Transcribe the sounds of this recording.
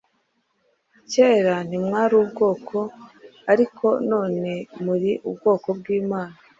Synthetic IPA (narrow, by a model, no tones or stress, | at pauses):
ceːɾan̥imŋaːɾuːbɡo̞ːkʰo̞aɾikʰo̞no̞ːne̞muɾiʔubɡo̞ːko̞bɡiːmaːna